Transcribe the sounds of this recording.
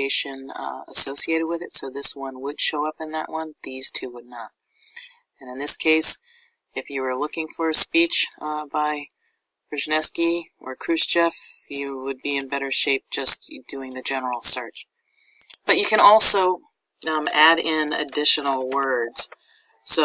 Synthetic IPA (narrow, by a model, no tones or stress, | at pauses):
eɪʃɨ̃nə̰soʊsieɪɾɨd̚wɨðɨtsoʊðɪswʌ̃nwəd̥ʃoʊʌpɨ̃nðə̰ʔwʔʌ̃nðiz̥tʰʉwədⁿnət̚ | ɨ̃nɨ̃nðɪskʰeɪs | ɨfjɨwə˞lʊkɪ̃ŋfə˞ɨspit͡ʃbaɪ | b̥ɹɨʒɨnɛskiʔə˞kʰɹ̥ʉsd̥ʒ̥ɛfjɨwəd̚biɨ̃nbɛɾə˞ʃeɪp̚d̥ʒ̥ʌsd̥ʉɪ̃ŋðɨd͡ʒɛnə˞l̩ˠsɜ˞t͡ʃ | b̥ʌt͡ʃɨkʰɨ̃ñɔlˠsoʊ | æɾɪ̃nɨ̰dɪʃɨnl̩ˠwɜ˞dz̥ | so